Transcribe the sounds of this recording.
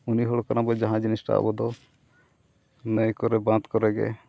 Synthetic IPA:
uniɦɔɭɔkanabɔd͡ʒaɦãd͡ʒinisʈa̰bɔd̪ɔ | nəjkɔɾɛbãt̪kɔɾɛɡɛ̰

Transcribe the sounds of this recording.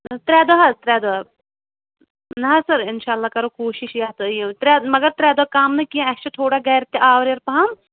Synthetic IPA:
t̪ɾʲɛːd̪oɦɐt̪ɾʲɛːd̪oɦɐ | nɐɦɐsɐɾɪnʃaːlːaːkɐɾoːkoːʃɪʃjaːt̪jẽt̪ɾʲɛːmɐɡɐɾt̪ɾɛːd̪oakaːmnɐkiãɐt͡ʃɐt̪ʰoːɽaːɡɐjɾt̪eʔaːʋɾjɐɾpɐɦɐm

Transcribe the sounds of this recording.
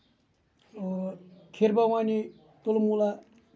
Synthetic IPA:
kʰeɾpawani | t̪olmula

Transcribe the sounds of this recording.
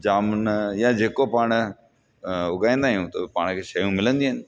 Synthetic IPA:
d͡ʒaːmnjãd͡ʑeːkopaːɽ̃ | ʊɡaːĩːn̆d̪aːɦijũt̪ɐpaːɽ̃kʰeːʃɐjũmɪlə̃nd̪iɦənɪ̆

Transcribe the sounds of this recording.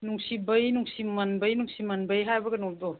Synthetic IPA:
nuŋsibɐjnuŋsimɐnbɐjnuŋsimɐnbɐjɦajbɐɡɐnodɔ

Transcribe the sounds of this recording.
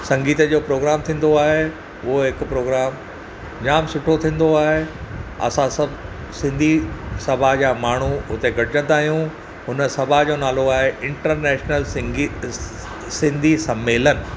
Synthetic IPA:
sɐ̃ŋɡiːt̪əd͡ʑoːpɾoːɡɾaːmt̪ʰĩːn̆d̪oaːɦe | ʊɦoɦɪkpɾoːɡɾaːm | d͡ʑaːmsʊʈʰot̪ʰĩːn̆d̪oaːɦeɐ̰sãsɐb | sɪ̃nd̪ʱisɐbʱad͡ʑaːmaːɳ̤uʊt̪eɡʱɐɽd͡ʑə̃nd̪aːɦijũ | ɦʊnə̆sɐbʱad͡ʑoːnaːloaːɦeʔɪ̃ɳʈəɾnɛːʃnəli | sɪ̃nd̪ʱisɐmːeːlənɪ̆

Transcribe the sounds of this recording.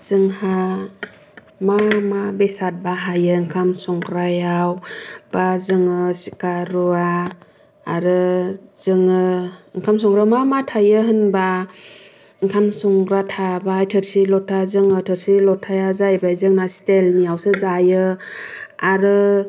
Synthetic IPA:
z̥ɯŋha | mamabesat̚baɦajɯiŋkʰamsɔŋɡɾajawb̥azɯŋɯsi̥kaɾuaː | ɾɯz̥ɯŋɯiŋkʰamsɔŋɡɾamamatʰajɯɦɯnba | iŋkʰamsɔŋɡɾatʰabajtʰɯɾsilɔtʰazɯŋɯtʰɯɾsilɔtʰajazajbajzɯŋnastelniawsɯzajɯ | aɾɯ

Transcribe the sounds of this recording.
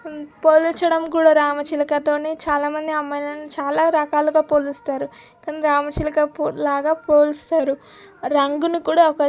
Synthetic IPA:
poːlut͡ʃɐɽɐmkuːɽaːɾaːmɐt͡ʃilɐkɐt̪o̞ːneːt͡ʃaːlaːmɐnd̪iɐmːɐjnɐnit͡ʃaːlaːɾɐkaːluɡaːpoːlust̪aːɾukːɐniɾaːmɐt͡ʃilɐkɐpːlaːɡaːpoːlust̪aːɾu | ɾɐŋɡunukuːɽaːɔkɐ

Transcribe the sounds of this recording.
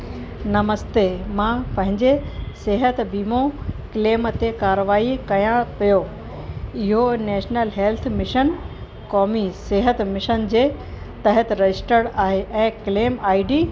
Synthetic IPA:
nɐməst̪emãpɐ̃ɦɪ̃ɲd͡ʑeseɦət̪biːmõkleːmt̪ekaːɾəʋaːikɐjãpijo | ɪɦoneːʃnəlɦeːlt̪ʰmɪʃən | kɔːmiseɦət̪mɪʃənd͡ʑeː | t̪ɐɦət̪ɾɐd͡ʑɪsʈəɽaːɦeʔɛ̃ːkleːmaːiɖiː

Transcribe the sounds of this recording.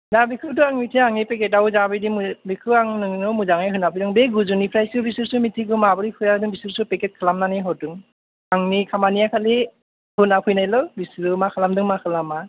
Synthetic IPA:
dabikʰɯtɯaŋmitʰiaŋnipeket̚awzabidimbikʰɯaŋnɯŋnɔmuzaŋajɦɯnapʰɯjdɯŋbeɡuzunipʰɾajsɯbisɯɾsumitʰiɡɯmabɯɾikʰɯjaɯdɯŋbisɯɾsupeket̚kʰɯlamnaniɦɔdɯŋ | aŋnikʰamanijakʰali | hɯnapʰɯjnajlɔbisɯɾɯmakʰalamdɯŋmakʰɯlama

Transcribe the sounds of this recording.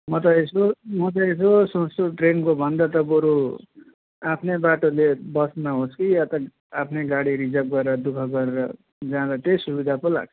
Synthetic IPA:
mʌt̪ʌesomʌt̪ʌes̬osʌ̃stoʈrenkobʱʌnd̪at̪ʌpoɾu | apʰnebaʈolebʌsnaɦoskijat̪ʌ | apʰneɡaɽiɾid͡zʌp̚ɡʌɾeɾʌd̪ukʰʌɡʌɾeɾʌ | d͡zãlat̪esubid̪ʱapola̰ɡ̚ʰ

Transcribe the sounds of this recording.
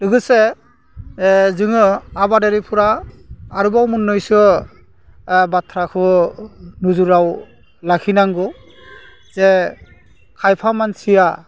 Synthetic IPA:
dɯɡɯse | zɯŋɯabadeɾipʰuɾaː | ɾubawmunːɔjsɯ | batʰɾakʰɯ | nuzuɾaw | lakʰinaŋɡɔ | zɛ | kʰajpʰamansija

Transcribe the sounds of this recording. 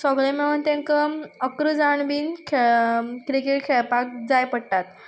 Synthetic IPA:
sɔɡɭemeʋənt̪ẽŋkəəkɾud͡zaɳbiːnkʰekɾikeʈkʰeɭpak̚d͡zajpəɽʈ̪at̪̚

